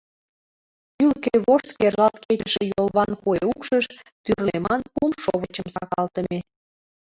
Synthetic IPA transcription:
ylkeβoʃt̪kerʒɑt̪ket͡ɕəʃĕjolˠβɑnkueukʃəʃt̪yrlemɑnpumʃoβət͡ɕəmsɑkɑlt̪əme

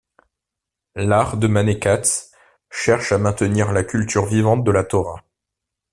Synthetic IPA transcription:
laʁd̪əmanekat̪ | ʃɛʁʃamɛ̃t̪əniʁlakʲylt̪yʁvivɑ̃t̪̚d̪əlat̪ɔʁa

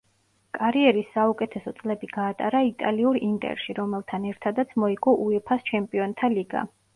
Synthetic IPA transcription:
kʼaɾiɛɾisːaukʼɛt̪ʰɛsɔt̪sʼlɛbiɡ̥aːt̪ʼaɾait̪ʼaliuɾint̪ʼɛ̰ɾʃiɾɔmɛlˠt̪ʰanɛɾt̪ʰad̪at̪sʰmɔiɡʼɔʔuɛpʰast͡ʃʰɛmpʼiɔnt̪ʰaliɡa̰

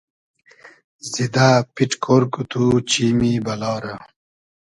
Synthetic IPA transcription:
zid̪aːpiʈkʰoːɾkut̪ʰut͡ɕiːmibɐlɑːɾɐ

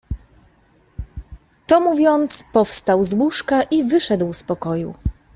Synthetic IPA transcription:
t̪ɔmuvʲjɔnt̪spɔfst̪awzwuʂkaʔivɘʂɛd̪wspɔkɔjṵ

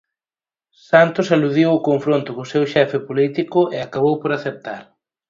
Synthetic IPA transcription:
sant̪ʊsaluðiwʊkoɱfɾont̪ʊkosewʃɛfɪpolit̪ikʊʔɪakaβ̞owpoɾaθep̚t̪aɾ

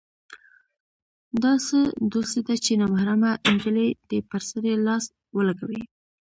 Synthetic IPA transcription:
d̪ɑsəd̪ost̪ed̪at͡ʃenɑmahɾamaʔɪnd͡ʒəled̪̥əpəɾsəɾelɑs | wəlaɡawi

